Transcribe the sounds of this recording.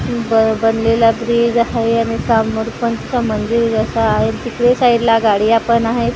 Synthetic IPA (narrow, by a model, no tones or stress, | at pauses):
bəbənlelabɾid͡zaɦeaɽ̃isamuɽpənt̪usaməndiɾd͡zəsaːɦet̪ikɽesaɦiɾlaɡaɽiːapənaɦet̪